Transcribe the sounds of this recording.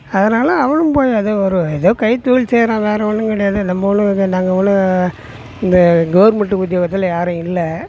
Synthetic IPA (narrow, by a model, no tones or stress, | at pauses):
ɐðɐnaːlɐɐʋɐɳɯmpoːjɐðɐɔɾɯɛðoːkɐɪt̪uːlseːɾãːʋeːɾɛʋɐnːɯŋkɐɽɐjaːðɯnɐmːɐʋɔnːɯnaːŋɡɐʋɐnːɯ | ɪnd̪ɐɡɐʋɾmɐʈːɯʊd̪jɐːɣɐt̪ːɪljaːɾɯ̃ɪlːɐ